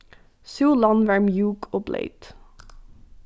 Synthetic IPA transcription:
suːlɑnʋæːɹmjuːkʰoːblʔḛɪt̪

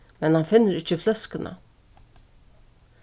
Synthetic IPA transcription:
mɛnhɑnfɪnːəɾɪçəflœskənʔə̰

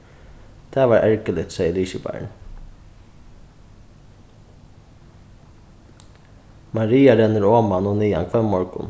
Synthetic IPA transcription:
t̪ʰɛːʋɑːɹʔɛɹkəlɪt̪seːjəliːʃəbæ̰ɹɳ | mɑɾiːaɾɛnːəɾoːmanɔniːa̰nkʰʋɛmːɔɹkʊ̰n

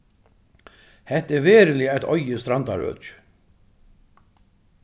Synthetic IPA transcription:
hɛht̪ɛɾvɛːɾɪlɪajt̪ʰɔ̰jəst̪ɾand̪a̰ɾœ̰t͡ʃ

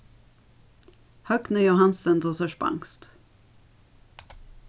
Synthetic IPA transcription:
hœk̚t̪nɛjʊɦansənd̪ɔsœʂpa̰ŋkst̪

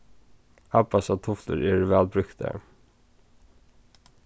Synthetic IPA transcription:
hapasat̪ʰʊflə̰ɾɛɹvɛːlbɾʏkt̪ə̰

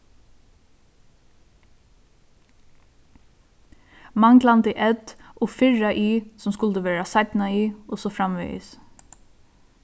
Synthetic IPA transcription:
maŋɡlant̪ɪʔɛt̪ʔɔfɪɹaʔiːsɔmskʊlt̪əʋeːɹasat̪naiːʊsɔfɾamʋɛ̰ɪ̰s

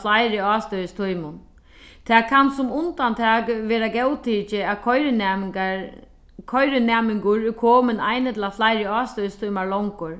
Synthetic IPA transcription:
lajɾɪɑːst̪œjɪst̪ʰujmʊn | t̪ʰɛːkʰansʊmʊnt̪ant̪ʰaːkʋɛːɾaɡɛwt̪ʰiːt͡ʃɪakʰɔjɾɪn | kʰɔjɾɪnɛːmɪŋkʊɾɪkʰɔːmɪnajnɪt̪ʰɪlaflajɾɪɑːst̪œjɪst̪ʰujmaɹlɔŋkʊɹ

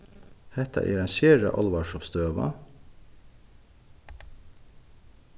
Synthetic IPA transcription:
hɛt̪ʰɑ̰ʔḭːɾɛnʃɪɹə̰ʔɑlʋɑʃɔpst̪øːʋɑ̰

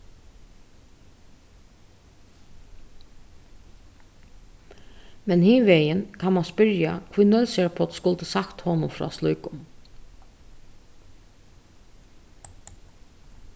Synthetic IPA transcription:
mɛnhiːʋejənkʰanmanspʏɾja̰kʰɪnœlsɛɹpʰɔt̪skʊlt̪əsakt̪hɔːnʊmfɾɔ̰ːsluʏkʊm

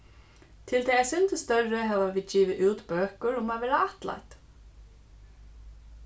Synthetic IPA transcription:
t̪ʰɪlt̪ʰɛːjɛsʏnt̪ɪst̪œrʏɦɛvaviːðt͡ɕiːvɪʔuːt̪bøːkʏɾʊmaðvɪɾaaht̪la̰jt̪

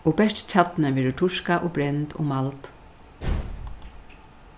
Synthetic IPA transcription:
ɔːbɛʂt̪t͡ɕʰat̪nəʋɛːɾɪʈʰʊʃkaʔɔbɾɛnt̪ɔ̰ːmalt̪

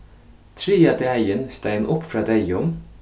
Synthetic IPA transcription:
t̪ʰɾiːɑt̪ɪæɪənst̪æɪnʔɔpːfɾɑːd̪æɪʊm

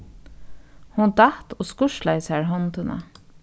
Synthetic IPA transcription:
hʊnd̪ɑht̪oːskʊʃlaɪshæːɹɦɔnt̪ənə̰

